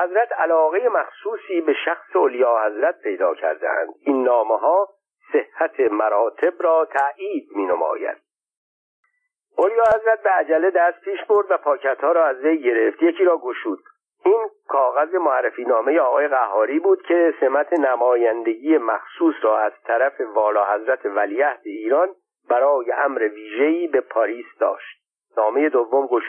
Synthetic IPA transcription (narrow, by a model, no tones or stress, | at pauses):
hæzɾæt̪ʰælɒːɣe̞je̞mæxsuːsiːbe̞ʃæxseolijɒːhæzɾæt̪̚pʰe̞jd̪ɒ̰ːcʰæ̰ɾd̪ḛæ̰nd̪̥inːɒːmeɦɒː | se̞hːæt̪ʰe̞mæɾɒːt̪ʰe̞bɾɒːt̪ʰæʔiːd̪̚miːnomɒ̰ːjæ̰d̪̥̚ | ʔolijɒːhæzɾæt̪̚beæd͡ʒæled̪æst̪̚pʰiːʃbo̞ɾd̪væpʰɒːcʰæt̪hɒːɾɒːæzvejɡe̞ɾe̞ft̪jecʰiːɾɒːɡoʃuːd̪̚ | ʔiːnkʰɒːɣæze̞moærːefiːnɒːmejeɒːɣɒːje̞ɣæhːɒːɾiːbuːd̪̥cʰe̞se̞mæt̪ʰe̞næmɒːjænd̪e̞ɟiːje̞mæxsuːsɾɒːæz̥t̪ʰæɾæfe̞vɒːlɒːhæzɾæt̪ʰe̞væliːæhd̪eiːɾɒːn | b̥æɾɒːje̞ʔæmɾeviːʒe̞iːbe̞pʰɒɾiːsd̪ɒ̰ːʃt̪̚ | nɒːme̞je̞d̪ovːomɡoʃu̥